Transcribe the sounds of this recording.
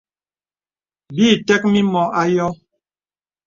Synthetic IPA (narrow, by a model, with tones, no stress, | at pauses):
biː˦˨tɛ˦k̚mi˦mɔ˨ʔa˦jɔ˦